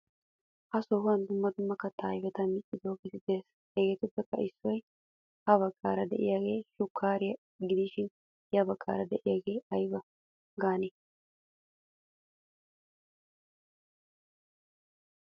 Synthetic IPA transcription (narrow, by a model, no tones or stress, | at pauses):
ʔɐsohʊɐnd̪ʊmːɐd̪ʊmːɐkːɐt̪ːɐːjbɛt̪ɐmɪt͡ʃʼːɪd̪oːɡɪt̪ɪd̪eːs | hɛɡeːt̪ʊbːɛkːɐɪsːɔj | hɐβɐkʼːaːɾɐd̪ɛʔɪjaːɡe̞ːʃʊkʰːaːɾɪjɐ | ɡɪd̪ɪʃɪn | jɐbɐkʼːa̰ːɾɐd̪ɛʔɪjaːɡe̞ːɐjbɐ | ɡaːne